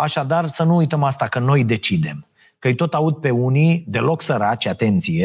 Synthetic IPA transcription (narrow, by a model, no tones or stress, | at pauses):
aʃad̪arsənuːjt̪əmast̪akəno̞jd̪e̞t͡ʃid̪e̞̰m | kəɨjt̪o̞t̪aud̪̚pe̞unid̪e̞lo̞ksəɾat͡ʃʲat̪e̞nt̪sije